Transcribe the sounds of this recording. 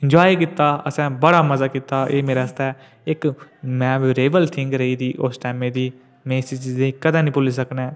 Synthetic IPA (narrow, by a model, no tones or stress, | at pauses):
ɪ̃nd͡ʒoːikɪt̪ːaːəsɛ̃ːbəɽaːməzaːkiːt̪aːʔeːmeːɾeːəst̪ɛː | ɪkmɛ̃ːʋɾeːʋəlt̪ʰɪ̃ŋɡɾəiːd̪iːʔosʈɛːmẽːd̪iː | mẽːsid͡ʒd̪eiːkəd̪ãːnĩːpʊlːs̬əknɛː